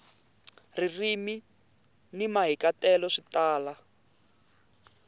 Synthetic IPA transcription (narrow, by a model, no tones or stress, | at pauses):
ririmi | nimaɦikatɛlɔʂitaːla